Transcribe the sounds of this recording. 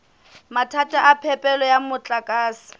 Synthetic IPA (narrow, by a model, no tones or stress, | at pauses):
matʰatʼaʔapʰɛpʼɛlɔjamʊt͡ɬʼakʼaːsɪ̥